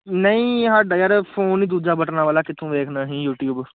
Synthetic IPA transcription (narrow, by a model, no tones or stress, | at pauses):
nəĩːɦaɾɖəjəɾfpʰoːniːd̪uːd͡ʒaːbəʈnãːʋaːlaːkɪt̪ʰːõːʋeːkʰnaːɦĩːjuːʈjuːb